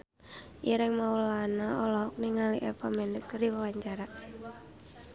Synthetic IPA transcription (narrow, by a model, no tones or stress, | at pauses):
ʔiɾɛŋmaulanaɔlɔɦɔk̚niŋaliʔɛpamɛnɛskəɾiwawaɲt͡ʃaɾa